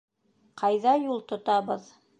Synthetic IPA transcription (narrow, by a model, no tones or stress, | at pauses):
qʰɑjðɑjulˠt̪ŏt̪ɑβɤð